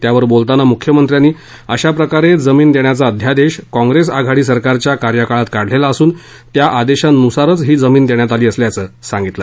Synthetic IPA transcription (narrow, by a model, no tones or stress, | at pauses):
t̪jaʋəɾbolt̪anamukʰjəmənt̪ɾjanːiː | əɕapɾəkaɾed͡zəmiːnd̪eɳjat͡saəd̪ʱjad̪eɕkɔ̃ŋɡɾesaɡʱaɽiːsəɾkaɾt͡ɕjakaɾjəkaɭat̪kaɽ̤lelaəsuːn | t̪jaʔad̪eɕannusaɾət͡sɦiːd͡zəmiːnd̪eɳjat̪aliːəsljat͡səːsaŋɡit̪lə